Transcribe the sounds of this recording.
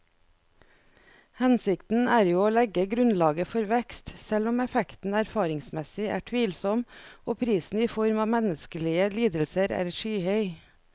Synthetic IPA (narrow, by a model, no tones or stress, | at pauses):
hɛnsɪkt̪n̩æːɾjuːoːlɛɡəɡɾʉnlɑːɡəfɔɾʋɛkst̪sɛlɔmɛfɛkt̪n̩æɾfɑːɾɪŋsmɛsɪʔæ̰ːʈʰʋiːlsɔmʔoːpʰɾiːsn̩iːfɔɾmɑːmɛnəskəlɪəliːd̪əlsəɾæ̰ːɾʃyːhœʏ